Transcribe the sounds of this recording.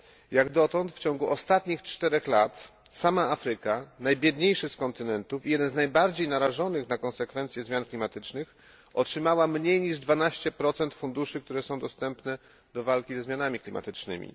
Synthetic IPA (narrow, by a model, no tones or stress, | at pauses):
jaɡd̪ɔt̪ɔnt̪ft͡ɕɔŋɡuʔɔst̪at̪ɲixt͡ʂt̪ɛɾɛxlat̪ | samaafɾɘkanajbʲjɛd̪ɲejʂɘskɔnt̪ɘnɛnt̪ufijɛd̪ɛnznajbaɾd͡ʑejnaɾaʐɔnɘxnakɔnsɛkfɛnt̪sʲjɛzmʲjanklʲimat̪ɘt͡ʂnɘx | ɔtʂɘmawamɲejɲiʐd̪vanaɕt͡ɕɛpɾɔt̪sɛnt̪fund̪uʂɘk̚t̪uɾɛsɔ̃w̃d̪ɔst̪ɛmpnɛ | d̪̥ɔvalkʲizɛzmjanamʲiklʲimʔa̰t̪ɘt͡ʂnɘ̰mʲḭ